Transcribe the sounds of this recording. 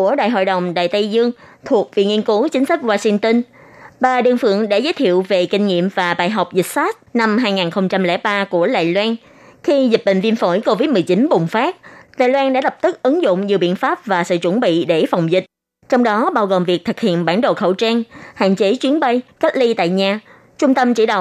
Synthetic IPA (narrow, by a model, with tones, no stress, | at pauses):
ku˧˩əɗa̰ː˧˨jɦo̰˧˨jɗə˨˩wŋ͡mɗa̰ː˧˨jt̪ə˧jzɨ˧əŋ | t̪ʰu˨˩ək̚vḭ˧˨ŋi˧ənku˨˦t͡ɕï˨˦ŋ̟sa˦˥k̚waː˧si˧ŋt̪ə˧n | ɓaː˨˩ɗɨ˨˩ŋfɨ̰˧˨əŋɗa̰ː˧˥zəː˨˦jt̪ʰḭ˧˨əwve˨˩kï˧ŋ̟ŋḭ˧˨əmvaː˨˩ɓaː˨jɦa˨˩wk͡p̚zï˨˩sa˦˥t̚na˧mɦaː˧jŋaː˨˩nxə˧wŋ͡mt͡ɕa˧mlɛ̰˧˩˥ɓaː˧ku˧˩əla̰ː˧˨jlwaː˧n | xi˧zi˨˩t̚ɓḭ̈˧˨ŋ̟vi˧ənfo˧˩jko˧vi˦˥t̚mɨ˨˩əjt͡ɕi˨˦nɓʊ˨˩ŋ͡mfaː˦˥k̚la̰ː˧˨jlwaː˧nɗaː˧˥lə˨˩p̚t̪ɨ˦˥k̚ʔɨ˨˦ŋzʊ̰˧˨ŋ͡mɲi˨˩əɓḭ˧˨ənfaː˦˥p̚vaː˨˩sɨ̰ː˧˨t͡ɕʊ˧˩nɓḭ˧˨ɗe˧˩fa˨˩wŋ͡mzï˨˩k̟̚ | t͡ɕɔ˧wŋ͡mɗɔ˨˦ɓaː˧wɣo˨˩mvi˨˩ək̚t̪ʰɨ˨˩k̚hḭ˧˨ənɓaː˧˩nɗo̰˧˨xə˧˩wt͡ɕaː˧nha̰ː˧˨nt͡ɕe˨˦t͡ɕwi˨˦ənɓə˧jka˦˥t̚li˧t̪a̰ː˧˨jɲaː˨˩ | t͡ɕʊ˧ŋ͡mt̪ə˧mt͡ɕḭ˧˩ɗə̰˧˨w